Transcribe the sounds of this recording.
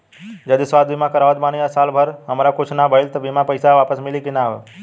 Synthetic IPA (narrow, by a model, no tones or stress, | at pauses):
d͡ʒəd̪isʋaːd̪̚bimãkəɾaːʋət̪̚baːnijasaːlbʱəɾɦəmɾakʊt͡ʃʰnabʱəɪlt̪ɔbimapəɪsaʋaːpəsmɪlikɪnaːʋ